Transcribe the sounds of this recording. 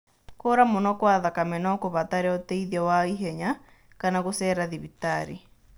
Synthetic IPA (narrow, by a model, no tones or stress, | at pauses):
koːɾamonɔkwaðakamɛnɔkoβataɾeɔtɛiðiɔwaiɦɛɲa | kanaɣosɛɾaðiβitaɾi